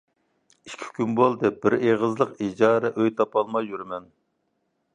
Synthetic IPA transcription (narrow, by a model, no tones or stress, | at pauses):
iʃkʲʰi̥kʲynbolˠd̪ɨbɪɾeʁəzlˠəqid͡ʒɑːɾɛʔøjt̪ʰɑpɑlˠmɑjyɾmɛn